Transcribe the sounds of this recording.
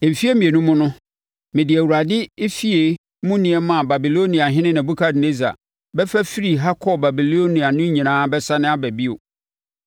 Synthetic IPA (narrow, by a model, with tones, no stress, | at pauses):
fi˦e˦mĩ˨e˨nũ˦mʊ̃˦nʊ̃˦ | mɪ̃˨dɪ˨æ˨wu˨ɾa˨dɪ˦e˦fi˦e˨ | mʊ̃˦nɪ̃˨ɛ˦mã˦˨ba˨bi˨lo˦nĩ˨a˨ɦɪ̃˦nɪ̃˦nã˨bu˦kʰa˦dne˦za̰˨ | bɛ˦fæ˦fi˦ɾi˨ɦa˦kʰɔ˨ba˨bi˨lo˦nĩ˨a˨nʊ̃˦ɲĩ˨nãː˨˦bɛ˦sa˦nɪ̃˦a˦bæ˨bi˦o̰˨